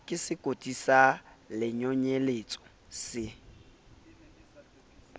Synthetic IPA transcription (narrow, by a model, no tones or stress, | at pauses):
kʼɪsɪkʼotʼisalɪɲɔɲelet͡sʼɔ̥ | sɪ